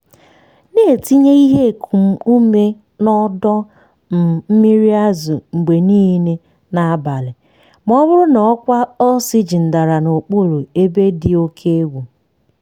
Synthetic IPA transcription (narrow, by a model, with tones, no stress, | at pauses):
ne˦˨e˨ti˦ɲe˦i˦ɦe˦˨kʰu˨m̩˦u˦me˦ | nɔ˦dɔ˦ | n̩˨m̩˦mi˦ɾi˦a˦zʊ˨ŋ͡m̩˨ɡ͡be˨niː˦ne˦ | na˨a˦ba˨lɪ˨ | m˦ɔ˦βʊ˦ɾʊ˦nɔ˨ɔ˦kʷa˦ɔ˦sɪ˦d͡ʒi˨n̩˨da˨ɾa˨no˨k͡pu˦˨ɾu˨e˦be˦dɪ˨o˦kʰe˦ɡʷu˨